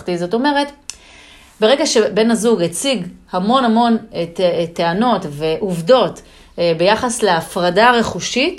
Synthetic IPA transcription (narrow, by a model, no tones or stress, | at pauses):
tizo̞to̞me̞ʁet | beʁe̞ɡaʃe̞be̞nhazuɡet͡siɡhamo̞nhamo̞n | teano̞tveʔuvdo̞t | be̞jaχasleafʁadaʁe̞χuʃit